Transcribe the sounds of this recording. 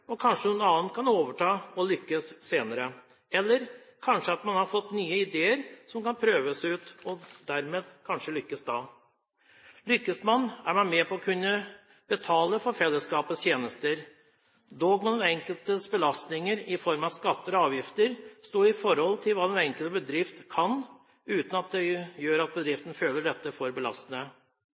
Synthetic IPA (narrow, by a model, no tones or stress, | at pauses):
ɔkʰɑnʂənuːnɑːən̚kʰɑnoːʋəʈʰɑːɔlʏkːəsseːnəɾə | ɛlːəɾkʰɑnʂəɑt̪mɑnhɑɾfɔt̪ːnyːəɪd̪eːəɾsɔmkɑnpʰɾøːʋəsʉːt̪ɔd̪æɾmeːd̪kʰɑnʂəlʏkːəsd̪ɑ̰ː | lʏkːəsmɑnæɾmɑnmepɔɔkʰʉnːə | b̥ət̪ʰɑːləfɔɾfɛlːəskɑːpəst̪ʰjeːnəst̪əɾ | d̪oːɡmɛnɔnɛŋkəlt̪əsbəlɑst̪nɪŋəɾɪfɔɾmɑskɑt̪ːəɾɔɑːʋjɪft̪əɾst̪oːɾɪfɔɾhɔlt̪ʰɪlʋɑːd̪ɛnɛŋkəlt̪əbəd̪ɾɪft̪kʰɑn | ʉːt̪n̩ɑt̪̚d̪ɛjøːɾɑt̪̚bəd̪ɾɪft̪n̩føːləɖɛt̪ːəfɔɾbəlɑ̰st̪ənə